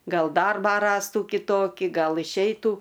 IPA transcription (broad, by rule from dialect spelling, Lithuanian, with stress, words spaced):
ˈɡɐlˠ ˈdɐrbɑː ˈrɑːstuː kʲɪˈtoːkʲɪ ˈɡɐlˠ ɪʃʲˈɛɪtuː